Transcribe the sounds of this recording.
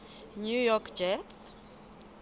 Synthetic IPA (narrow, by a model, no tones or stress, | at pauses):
nujɔkʰd͡ʒɛts